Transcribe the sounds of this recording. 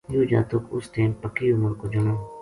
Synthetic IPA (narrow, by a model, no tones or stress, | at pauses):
juːd͡ʒa̰ːt̪ʊkʊ̰st̪eːnpəkiːʊməɾkoːd͡ʒʊnoː